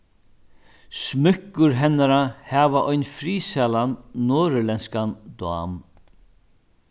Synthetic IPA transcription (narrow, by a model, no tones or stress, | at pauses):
smʏkːʊɾɦɛnːaɾahɛːvaʔɔjnfɾiːsalannoːɾʏlɛnskand̪wa̰ːm